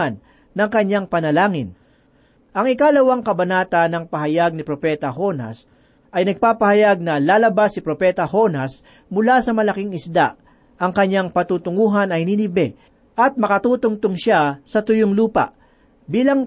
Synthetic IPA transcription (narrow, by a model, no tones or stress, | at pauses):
anː | ɐŋkɐɲaŋpɐnɐlaːŋɪn | ʔɐŋɪkalɐwaŋkɐbɐnaːt̪ɐnɐŋpɐɦɐjaɡ̚nɪpɾopɛt̪ɐɦo̞nɐ̰s | ʔɐjnɐɡ̚paːpɐhɐjaɡ̚nɐlaːlɐbasɪpɾopɛt̪ɐho̞nɐs | mʊlasɐmɐlɐkiŋɪsd̪aʔ | ʔɐŋkɐɲːaŋpɐt̪uːt̪ʊŋuːɦɐnɐjninɪbɛ | ʔɐt̪̚mɐkɐt̪uːt̪ʊŋt̪ʊŋʃasɐt̪ʊjoŋluːpɐ̰ʔ | biːlɐŋ